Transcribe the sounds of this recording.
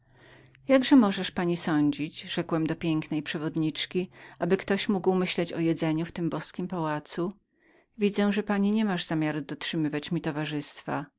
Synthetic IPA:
jaɡʐɛmɔʐɛʂpaɲisɔɲd͡ʑid͡ʑʐ̥ɛkwɛmd̪ɔpʲjɛŋknɛjpʂɛvɔd̪ɲit͡ʂkʲiʔabɘkt̪ɔɕmuɡwmɘɕlɛt͡ɕɔjɛd̪zɛɲuft̪ɘmbɔskʲimpawat̪su | vʲid̪zɛ̃ʐɛpaɲiɲɛmaʐz̥amʲjaɾud̪ɔtʂɘmɘvat͡ɕmʲit̪ɔvaʐɘst̪fa

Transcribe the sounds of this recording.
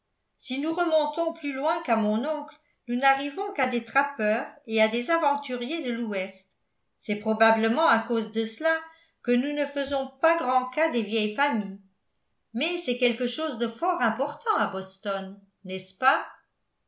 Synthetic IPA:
sinuʁəmɔ̃t̪ɔ̃plylwɛ̃kamɔ̃nɔ̃kl | nunaʁivɔ̃kad̪et̪χapœːʁead̪ezavɑ̃t̪yʁjed̪əluɛst̪ | sɛpχɔbabləmɑ̃akozd̪əsəla | kənunəfəzɔ̃paɡʁɑ̃kad̪evjɛjfamij | mɛsɛkʲɛlkəʃozd̪əfɔʁɛ̃pɔʁt̪ɑ̃abɔst̪ɔnː | ɛspa

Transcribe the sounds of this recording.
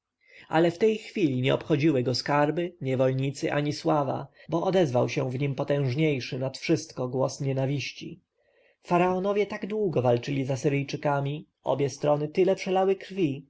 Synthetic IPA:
a̰lɛft̪ɛjxfʲilʲiɲɛɔpxɔd͡ʑiwɘɡɔskaɾbɘɲɛvɔlɲit̪sɘʔaɲiswava̰bɔʔɔd̪ɛzvawɕɛvɲimpɔt̪ɛ̃w̃ʐɲejʂɘnat̪fʂɘst̪kɔɡwɔsɲɛnavʲiɕt͡ɕḭ | faɾaɔnɔvʲjɛt̪aɡd̪wuɡɔvalt͡ʂɘlʲizasɘɾɘjt͡ʂɘkamʲi | ɔ̰bʲjɛst̪ɾɔnɘt̪ɘlɛpʂɛlawɘkɾfʲi

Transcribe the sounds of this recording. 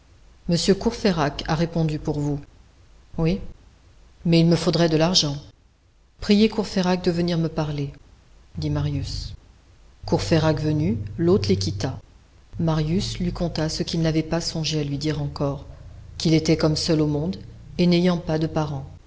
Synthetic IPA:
məsjøkuʁfeʁakaʁepɔ̃d̪ypuʁvu | wi | mɛilməfod̪ʁɛd̪əlaʁʒɑ̃ | pχijekuʁfeʁak̚d̪əvəniʁməpaʁle | d̪imaʁjys | kuʁfeʁakvənylot̪χlekʲit̪a | maʁjyslɥikɔ̃t̪asəkʲilnavɛpasɔ̃ʒealɥid̪iʁɑ̃kɔʁkʲilet̪ɛkɔmsœlomɔ̃d̪ | enejɑ̃pad̪əpaʁɑ̃

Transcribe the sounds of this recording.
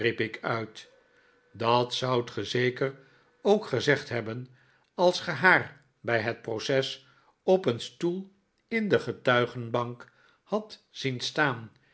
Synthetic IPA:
ripɪkœɥt | dɑtsʌwtχəzejkər | owkχəzɛχtɦɛbən | ɑlˠsχəɦaːr | bɛjɦət̚prowsɛs | ɔpənstulˠ | ɪndəχətœɥχənbɑŋk | hɑtz̥instaːn

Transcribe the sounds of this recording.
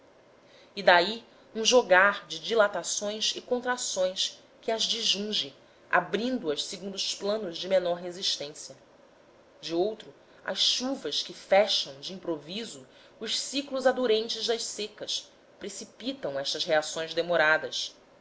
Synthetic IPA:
id̪ai | ũʒoɡaɾd͡ʒɪd͡ʒilat̪asõj̃sɪkõnt̪ɾasõj̃s | kɪɐzd͡ʒiʒũŋʒɪ̃ | a̰bɾĩnd̪ʊɐʃseɡũnd̪ʊʊʃplɐ̃nʊzd͡ʒɪmenɔɾɦeziʃt̪ẽsjɐ | d͡ʒɪowt̪ɾʊ | ɐ̰sʃuvɐskɪfɛʃɐ̃w̃d͡ʒɪĩmpɾovizʊ | ʊʃsiklʊzad̪uɾẽnt͡ʃɪzd̪ɐʃsekɐs | pɾesipit̪ɐ̃w̃ɛʃt̪ɐsɦeasõj̃zd̪emoɾad̪ɐs

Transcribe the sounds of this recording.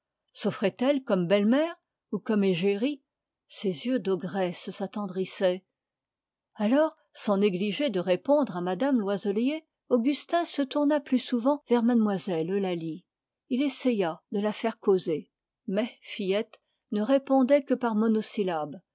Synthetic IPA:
sofχɛt̪ɛlkɔmbɛlmɛːʁ | ukɔmeʒeʁi | sezjød̪ɔɡʁɛssat̪ɑ̃d̪ʁisɛ | alɔːʁ | sɑ̃neɡliʒed̪əʁepɔ̃d̪ʁamad̪amlwazɔlje | oɡʲyst̪ɛ̃sət̪uʁnaplysuvɑ̃vɛʁmad̪mwazɛlolali | ilesejad̪əlafɛʁkoze | mɛfijɛt̪ | nəʁepɔ̃d̪ɛkəpaʁmɔnɔsilab

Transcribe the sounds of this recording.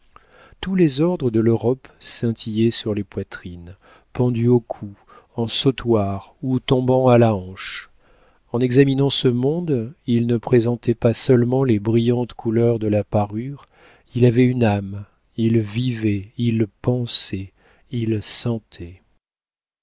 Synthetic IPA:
t̪ulezɔʁd̪ʁəd̪əløʁɔpsɛ̃t̪ʰijɛsyʁlepwat̪χin | pɑ̃d̪yokʰu | ɑ̃sot̪waʁut̪ɔ̃bɑ̃alaɑ̃ʃ | ɑ̃nɛɡzaminɑ̃səmɔ̃d̪ilnəpχezɑ̃t̪ɛpasœlmɑ̃lebʁijɑ̃t̪kʰulœʁd̪əlapaʁyʁ | ilavɛynam | ilvivɛilpɑ̃sɛ | ilsɑ̃t̪ʰɛ

